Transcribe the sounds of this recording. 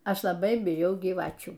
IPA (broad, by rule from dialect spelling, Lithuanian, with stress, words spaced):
ˈɐʃ lˠɐˈbɐɪ bʲɪˈjɛʊ ɡʲiːˈʋɑːt͡ʃʲuː